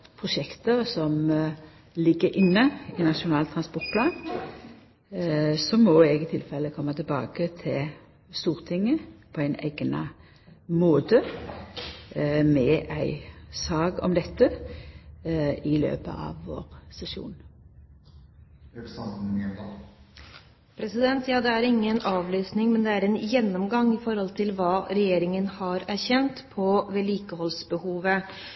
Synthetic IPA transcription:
pʰʁʊʃɛkt̪əʁsɔm | lɪɡːəɾɪnːəɪnɑʂʊnɑːlt̪ʰʁɑnspɔʁt̪̚pʰlɑːn | sɔmɔɛɡɪt̪ʰɪlfɛlːəkʰɔmːət̪ʰɪlbɑ̰ːkət̪ʰɪl | st̪uːʁt̪ʰɪŋːəpʰɔæɪnæ̰ɪɡnɑ̰ | moːt̪ə | mɛʔæɪsɑːɡɔ̰md̪ɛt̪ːə | ɪlø̰ːpə̰ʔɑ̰ʋːo̰ːʁsɛsṵːn | pʰɾɛsɪd̪ɛnt̪ʰjɑːd̪ɛæɾɪŋːənɑːʋlyːsnɪŋmɛnd̪ɛæɾɛnjɛnːɔmɡɑŋɪfɔɾhɔlt̪ʰɪlʋɑːɾɛjeːɾɪŋənhɑɾæɾçɛnt̪pʰɔʋɛːliːkəhɔlsbəhuːʋə

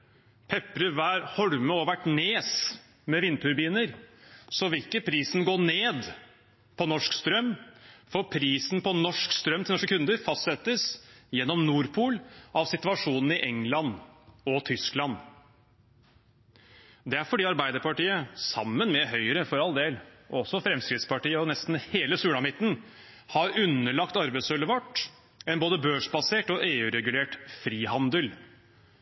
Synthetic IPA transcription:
pʰɛpːɾəʋæːɾhɔɽməɔʋæʈneːs | mɛʋɪnːt̪ʰʉɾbiːnəɾsɔʋɪɪkːəpʰɾiːsnɡoːneːd̪ | pʰɔnɔʂkst̪ɾœmːfɔpʰɾiːsnpʰɔnɔʂkst̪ɾœmt̪ʰɪlɔʂkəkʰʉnd̪əɾfɑst̪sɛt̪ːəsjɛnːɔmnuːɾpʰuːlɑʋsɪt̪ʋɑʂuːnn̩ɪʔɛŋːlɑnɔt̪ʰʏsklɑn | d̪ɛæɾfɔɖiːɑɾbæɪd̪əɾpɑʈiːəsɑmːənmɛɦœʏəɾəfɔɾɑld̪eːlɔɔsɔfɾɛmskɾɪd̪spɑʈiːəɔnɛst̪n̩heːləsʉːɽɑmɪt̪ːn̩ | hɑɾʉnːəɭɑkt̪ɑɾbæɪsœləʋɑʈː | ɛnboːd̪əbøːʂbɑseːʈɔʔeːʉɾɛɡʉleːʈfɾiːɦɑnd̪əl

